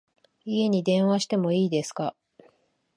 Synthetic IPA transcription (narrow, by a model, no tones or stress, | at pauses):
ie̞ɲ̟id̪ẽ̞ɰ̃βaɕi̥t̪e̞mo̞iːd̪e̞sɨ̥ka